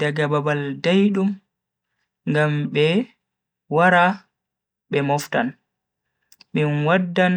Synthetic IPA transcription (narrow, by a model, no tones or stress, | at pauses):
daɡababaldajɗum | ŋɡamɓɛ | waɾa | ɓɛmɔftan | minwadːan